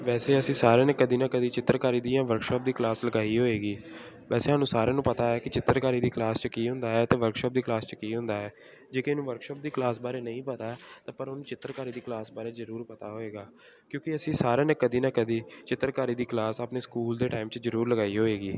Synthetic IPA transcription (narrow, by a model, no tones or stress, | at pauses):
ʋɛːseːəsĩːsaːɾeːnẽːkəd̪iːnãːkəd̪iːt͡ʃɪt̪ːəɾkaːɾiːd̪iːjãːʋəɾkʃɔːp̚d̪iːklaːsləɡaːiːɦoːeːɡiː | ʋɛːseːɦaːnũːsaːɾẽːnũːpət̪aːɦɛːkɪt͡ʃɪt̪ːəɾkaːɾiːd̪iːklaːst͡ʃəkiːɦʊ̃nd̪aːɦɛːt̪eːʋəɾkʃɔːp̚d̪iːklaːst͡ʃəkiːɦʊ̃nd̪aːɦɛː | d͡ʒeːkeːnũːʋəɾkʃɔːp̚d̪iːklaːsbaːɾeːnəĩːpət̪aːɛt̪ãːpəɾonũːt͡ʃɪt̪ːəɾkaːɾiːd̪iːklaːsbaːɾeːzəɾuːɾpət̪aːɦoːeːɡaː | kjõːkɪəsĩːsaːɾeːnẽːkəd̪iːnaːkəd̪iːt͡ʃɪt̪ːəɾkaːɾiːd̪iːklaːsaːpneːskuːld̪eːʈaːimt͡ʃzəɾuːɾləɡaːiɦoːeːɡiː